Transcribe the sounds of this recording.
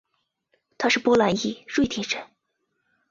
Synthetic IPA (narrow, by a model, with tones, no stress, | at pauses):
t̪ʰa˥ʂɻ̩˥˩pwɔ˥la˧˥ni˥˩ʂwe˥˩ɪt̪ʰi˧˥ʈ͡ʂə˨˩˦n